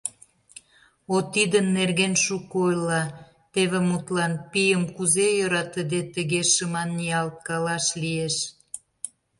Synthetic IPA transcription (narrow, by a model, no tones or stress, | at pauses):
ot̪id̪ənːerɣenʃukojlɑ | t̪eβemut̪lɑnpijəmkuzejøɾɑt̪əd̪et̪əɣeʃəmɑnːiɑlt̪̚kɑlɑʃlieʃ